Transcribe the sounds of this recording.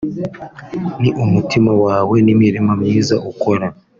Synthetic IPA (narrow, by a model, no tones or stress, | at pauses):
niʔumutimawaːwe̞nimiɾimamɲiːzaʔuko̞ɾa